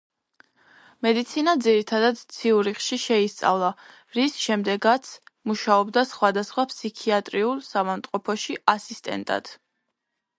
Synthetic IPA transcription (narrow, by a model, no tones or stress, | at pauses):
mɛd̪it̪sʰinad̪ziɾit̪ʰad̪ad̪t̪sʰiuɾiχʃiʃɛist̪sʼa̰vlˠa | ɾisʃɛmd̪ɛɡat̪sʰmuʃaɔbd̪asχwad̪asχwapʰsikʰiat̪ʼɾiulˠsavamt̪sʼqʼɔpʰɔʃiasist̪ʼɛ̰nt̪ʼa̰d̪̥